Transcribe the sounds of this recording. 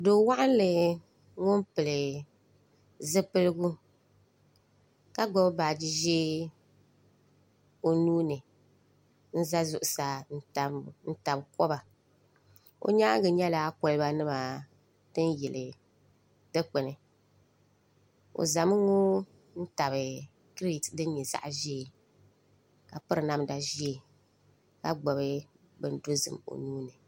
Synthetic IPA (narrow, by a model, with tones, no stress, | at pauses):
do˨˦wa˦ʔa˦n˦lɨ˨ | ŋo˦m˦pɨ˨lɨ˨ | zɨ˦pɨ˦lɨ˦ɡu˦ | ka˦ɡ͡bɔ˦bba˨d͡ʒi˦ʒɛː˦ | o˦nuː˦nɨ˨ | n̩˦za˦zʊ˨ʔʊ˨sa˨n̩˦ta˨n̩˦ta˨bkɔ˦ba˨ | o̰˦ɲaː˦ɡɨ˨ɲɛ˦la˦kʊ˨lɨ˦ba˦nɨ˦maː˨ | tɨ˦n˦jɛ˨lɨ˨ | dɨ˦k͡pɛ˨nɨ˨ | o̰˨za˨mɨ˦ŋo˦ | n̩˦ta˨bɨ˨ | kɾi˦˨tdɨ˦n˦ɲɛ˨za̰˦ʔʒi˦e˨ | ka˨pɨ˦ɾɨ˨na˦mda˨ʒi˦e˨ | ka˦ɡ͡bɔ˨bɨ˦ | bɨ˨n˦do˦zɨ̰˨mo̰˨nuː˦nɨ˨